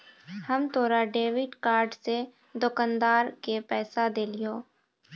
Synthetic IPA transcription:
həmt̪ʰoːɾaɖeːʋɪɖkaːɾɖse | d̪okand̪aːɾkepɛːsad̪eːlijoː

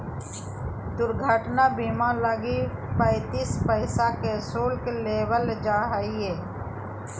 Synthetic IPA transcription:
d̪ʊɾɡʱaːʈnaːbiːmãːləɡipəɪt̪iːspəɪsaːkesoːlkleːʋəld͡ʒaːɦaieː

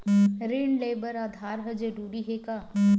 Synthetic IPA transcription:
ɾeːɳleːbəɾaːd̪ʱaːɾɦəd͡ʒeɖuːɽiɦeka

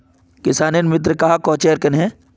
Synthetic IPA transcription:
kɪsaːnenmɪt̪̬ɾəkɐɦakoːt͡ʃeːɾkɐnɦɛ̃

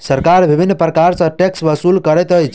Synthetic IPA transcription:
səɾkaɾbibʱinːəpɾəkaɾsə̃ʈeksbəsulkəɾɛt̪əjt͡ʃ

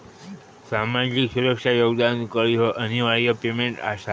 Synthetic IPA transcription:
samad͡ʒiksuɾəkʃajoɡd̪ankəɾiɦoʔəniʋaɭijəpemeɳʈa̰ʃa

